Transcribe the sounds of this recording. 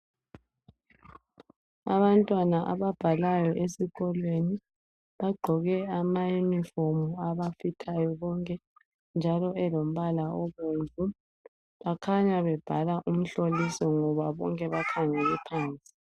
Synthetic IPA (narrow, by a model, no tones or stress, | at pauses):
a̰βantʼwanaʔa̰βab̥ʱalajɔʔesiɣɔlweni | βaɡ͡ǃʱɔɣɛamajunifomuaβafitʰajɔβɔŋkʼɛ | nd͡ʒʱalɔʔɛlom̩βalaɔβenvʱu | βakʰaɲaβɛb̥ʱalaʔum̩ɬolisɔŋɔβaβɔ̰ŋkʼɛβakʰaŋɛlɛpʰaːnt͡sʼi̥